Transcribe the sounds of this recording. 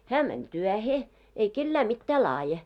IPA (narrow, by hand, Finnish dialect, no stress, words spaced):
hæ mænʲ tyæhe ei kelːæ mitːæː lɑːje